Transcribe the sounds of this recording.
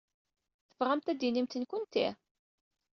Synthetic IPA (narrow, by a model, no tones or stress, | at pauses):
θə̥fʁæmt̪æd̪inimt̪ənkʷʊnt̪ḭ